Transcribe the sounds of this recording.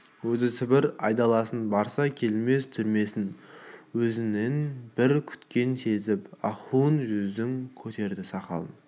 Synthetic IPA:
wɵzɪsɪbɪɾɑjd̪ɑlˠɑsənbɑɾsɑkʲʰe̞lme̞st̪ʰʏɾme̞sɪnwɵzɪne̞nbɪɾkʲʰʏ̥t̪kʲe̞nse̞zɪpɑχunʒʏzd̪ɪŋkʲʰɵt̪e̞ɾd̪ɪsɑqɑ̰lˠən

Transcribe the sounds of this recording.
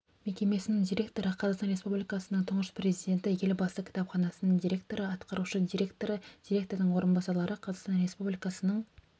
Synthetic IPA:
me̞kʲe̞me̞sɪnɪŋd̪ijɾʲe̞kt̪o̞ɾəqʰɑzɑʁqst̪ɑnɾʲe̞spublikɑsənəɴt̪ʰʊɴəspre̞zijd̪e̞nt̪ɪje̞lʲɪbɑst̪əkʲʰɪ̥t̪ɑpχɑnɑsənəɴd̪iɾʲe̞kt̪o̞ɾəɑt̪qɑɾuʃəd̪iɾekt̪oɾəd̥̪ʲiɾe̞kt̪od̪ɪɴwo̞ɾənbɑsɑɾlˠɑɾəqʰɑzɑqst̪ɑnɾe̞spublʲijkɑsənəɴ

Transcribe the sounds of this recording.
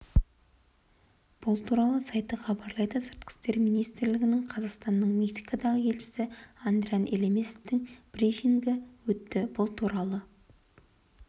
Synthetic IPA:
b̥ʊlˠt̪ʰuɾɑlˠəsɑjt̪əχɑbɑɾlˠɑjd̪əsɪɾt̪̚kʲɪ̥st̪e̞ɾmijnijst̪ɪɾlɪɡʲɪnɪŋqʰɑzɑqst̪ɑnːəɴmeksijkod̪ɑʁəe̞lʃɪ̥sɪand̪ɾʲijanʔelemʲest̪ɪŋb̥ɾifiŋɡʲɪwɵt̪ːɪbʊlˠt̪ʰuɾɑlˠə

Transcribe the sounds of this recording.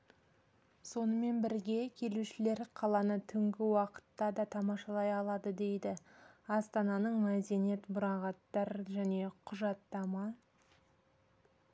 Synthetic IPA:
so̞nəme̞nbɪɾɡʲe̞kʲʰe̞luʃɪle̞ɾqʰɑlˠɑnət̪ʰʏŋɡʲɪwɑqə̥t̪ːɑd̪ɑt̪ʰɑmɑʃɑlˠɑjɑlˠɑd̪əd̪e̞jd̪ɪɑst̪ɑnɑnəɴmæd̪e̞ne̞t̪bʊɾɑʁɑt̪ːɑɾʒæne̞qʰʊʒɑt̪ːɑmɑ

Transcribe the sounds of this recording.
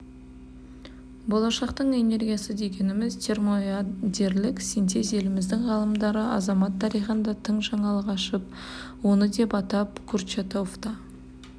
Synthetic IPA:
bo̞lˠɑʃɑqt̪əɴe̞ne̞rɡʲijasəd̪e̞ɡʲe̞nɪmɪzt̪ʲʰe̞rmoad̪ʲe̞ɾlɪksijnt̪ezelɪmɪzd̪ɪŋʁɑlˠəmd̪ɑɾəɑ̰zɑmɑt̪ʰːɑɾijχənd̪ɑt̪ʰəɴʒɑɴɑlˠʁɑʃəp̚ | wo̞nəd̪e̞pɑt̪ɑpkʰurt͡ʃet̪o̞ft̪ɑ

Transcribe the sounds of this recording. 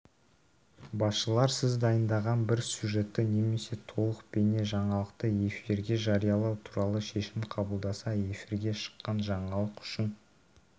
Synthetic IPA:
bɑsʃəlˠɑɾsɪzd̪ɑjənd̪ɑʁɑnbɪɾsʲjuʒe̞t̪ːɪne̞me̞se̞t̪ʰo̞lˠəq̚be̞ne̞ʒɑɴɑlˠəqt̪əe̞fiɾɡʲe̞ʒɑɾijɑlˠɑwt̪ʰuɾɑlˠəʃe̞ʃɪmqʰɑbəlˠd̪ɑsɑe̞fiɾɡʲe̞ʃə̥qːɑnʒɑɴɑlˠəqʏ̥ʃɪn

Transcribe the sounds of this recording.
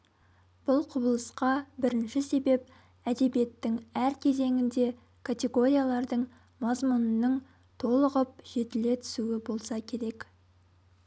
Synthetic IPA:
b̥ʊlˠqʰʊbəlˠəsqɑbɪɾɪnʃɪse̞be̞p̚ | æd̪e̞bije̞t̪ːɪŋæɾkʲʰe̞ze̞ŋɪnd̪e̞ | kʰat̪ʲe̞ɡo̞ɾʲijalˠɑɾd̪əɴ | mɑzmʊnənːəɴ | t̪ʰo̞lˠəʁəp̚ʒ̥e̞t̪ɪle̞t̪ʰʏ̥suɪbo̞lˠsɑkʲʰe̞ɾe̞k

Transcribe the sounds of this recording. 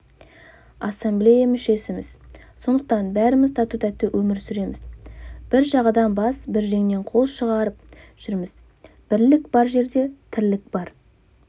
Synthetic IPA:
ɑsemblejamʏʃe̞sɪmɪz̥so̞nd̪əq̚t̪ɑnbæɾɪmɪzt̪ʰɑt̪ut̪æt̪ːɪwʔɵmɪɾsʏɾe̞mɪzb̥ɪɾʒɑʁɑd̪ɑnbɑsbɪɾʒe̞ŋne̞ɴqʰo̞lˠʃəʁɑɾəp̚ʒ̥ʏɾmɪz̥ | b̥ɪɾlɪkb̥ɑɾʒe̞ɾd̪e̞t̪ʰɪɾlɪk̚bɑɾ

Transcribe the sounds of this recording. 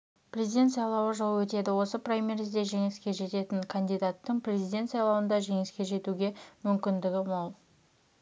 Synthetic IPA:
prʲe̞zijd̪ʲe̞nt̪sɑjlˠɑwəʒɑwwɵt̪e̞d̪ɪwo̞səprajmʲerzd̪e̞ʒe̞ŋɪskʲe̞ʒe̞t̪e̞t̪ɪŋkʰand̪ijd̪at̪ːəɴprʲezijd̪ʲe̞nt̪sɑjlˠɑwənd̪ɑʒe̞ŋɪskʲe̞ʒe̞t̪uɡʲe̞mʏmkʲɪnd̪ɪɡʲɪmolˠ

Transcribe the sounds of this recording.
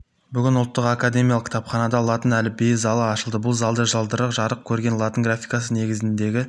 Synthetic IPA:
bʏɡʲɪnʊlˠt̪ːəqakad̪e̞mijalˠəqkʰʲt̪ʰɑpχɑnɑd̪ɑlˠɑt̪ənælɪbejzɑlˠɑːʃəlˠd̪əbʊlˠzɑlˠd̪əʒɑlˠd̪əɾəqʒɑɾəq̚kʲʰɵɾɡʲe̞nlˠɑt̪ənɡrafʲijkɑsəne̞ɡʲɪzɪnd̪e̞ɡʲɪ

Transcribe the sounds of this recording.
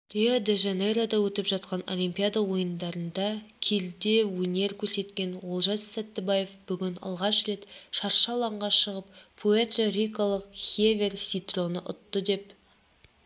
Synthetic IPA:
ɾiod̪eʒɑneɾad̪ɑwɵt̪ɪpʒɑt̪qɑno̞̰lʲimʲpʲijad̪ɑwo̞jənd̪ɑɾənd̪ɑkʲʰeld̪e̞wɵne̞ɾkʲʰɵɾse̞t̪kʲe̞nwolˠʒɑssæt̪ːɪbaje̞fb̥ʏɡʲɪnɑ̰lˠʁɑʃɾe̞t̪ʃɑɾʃɑlˠɑɴʁɑʃəʁəp̚pʰoet̪roɾʲijkalˠəqχʲevʲe̞rsʲit̪ro̞nəʔʊ̰t̪ːəd̪e̞p

